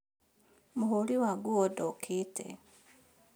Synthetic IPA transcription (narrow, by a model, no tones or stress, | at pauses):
muɦoliwaɡuodɔkʰitʰḛ